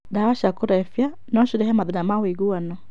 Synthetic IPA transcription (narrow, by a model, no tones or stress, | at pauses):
dawaʃakoɾɛfja | nɔʃuɾɛɦɛmaðinamaweɣuanɔ